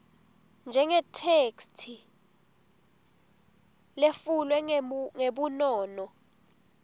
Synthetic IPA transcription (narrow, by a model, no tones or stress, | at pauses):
nd͡ʒʱɛŋɛtʰekstʰi | lefulwɛŋeɓunɔːnɔ